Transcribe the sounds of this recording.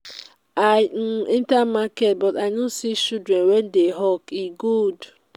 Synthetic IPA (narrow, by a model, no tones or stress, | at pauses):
an̩intamaket̚bɔtaɪnosit͡ʃudɾenwedeɦɔkiɡud